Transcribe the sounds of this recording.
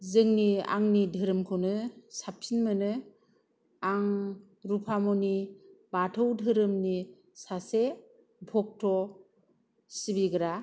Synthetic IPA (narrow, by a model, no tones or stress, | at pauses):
zɯŋnia̰ŋnidʱɯɾɯmkʰonɯsap̚sinmɯnɯ | aŋ | ɾupʰamɔnibatʰɯwdʱɯɾɯmni | sase | bʱɔk̚tʰɔ | sibiɡɯɾa